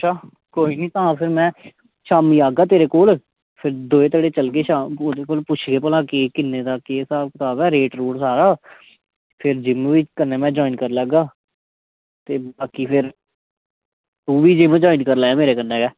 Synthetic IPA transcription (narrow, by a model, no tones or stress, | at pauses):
əʃʰaː | koːiːniːt̪ãːpʰɪɾmɛ̃ː | ʃaːmiːaːɡaːt̪eːɾeːkoːl | pʰɪɾd̪oːeːt̪əɽeːt͡ʃəlkeːʃaːmoːd̪eːkoːlpʊt͡ʃʰɡeːpəlãːkekɪnːeːd̪aːkeːsaːlkət̪aːbɛːɾeːʈɾuːɽsaːɾaː | pʰɪɾd͡ʒɪmʋiːkənːeːmɛ̃ːd͡ʒɔːinkəɾləɡaː | t̪eːbaːkiːpʰɪɾ | t̪uːʋiːd͡ʒɪmd͡ʒɔːinkəɾlaːeːmeːɾeːkənːẽːkɛː